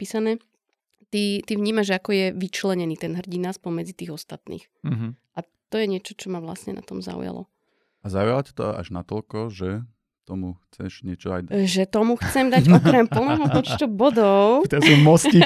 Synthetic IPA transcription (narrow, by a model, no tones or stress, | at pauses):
piːsanɛː | t̪it̪iʋɲiːmaʒakɔjɛʋit͡ʃlɛɲɛniːt̪ɛnɦr̩ɟinaspɔɲmɛd͡zit̪iːɣɔst̪at̪nḭːx | ʔa | t̪ɔjɛɲɪɛt͡ʃɔt͡ʃɔmaʋla̰sɲɛ̰na̰t̪ɔmza̰ṵja̰lɔ̰ | azaujalacɛ̥t̪ɔ̰a̰ʒna̰t̪ɔlkɔʒɛ | t̪ɔmuxt͡sɛʃɲɛt͡ʃɔa̰jʒɛt̪ɔmuxt͡sɛmd̪aɔkɾɛmpl̩nɛɦɔpɔt͡ʃt̪ubɔd̪ɔʊt̪ɛumɔsci